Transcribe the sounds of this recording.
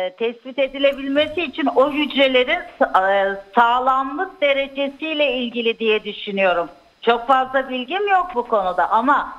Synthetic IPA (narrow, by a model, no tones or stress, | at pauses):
t̪ʰɛsbit̪e̞d̪ilʲe̞bilʲme̞siːt͡ʃʰinojyd͡ʒɾe̞lʲe̞ɾin | saːlˠamlˠɯk̚d̪e̞ɾe̞d͡ʒe̞sijlʲɛilʲɟilʲid̪ijɛd̪yʃynyjo̞ɾum | t͡ʃʰo̞kfazlˠabilʲɟimjo̞k̚bukʰo̞nud̪aʔama